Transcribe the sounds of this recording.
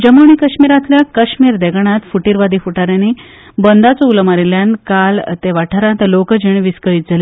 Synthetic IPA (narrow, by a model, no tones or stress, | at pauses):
d͡ʑəmoɳ̃iːkəɕmiːɾat̪ljakəɕmiːɾd̪eɡɳ̃ãt̪fuʈiːɾʋad̪ifuʈaɾjani | bənd̪at͡sɔulmaɾiljãnkalt̪eʋaʈʰaɾãnt̪lokəd͡ʑiɳʋiskəɭiːt̪̚d͡zale